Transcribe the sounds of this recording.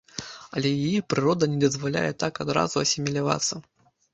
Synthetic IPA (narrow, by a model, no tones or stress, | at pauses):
ɐlʲɛjajipɾɨɾɔd̪ɐnʲɛd̪ɐzvalʲa̰jɛt̪akad̪ɾa̰zuɐsʲɪmʲɛlʲava̰t̪sːɐ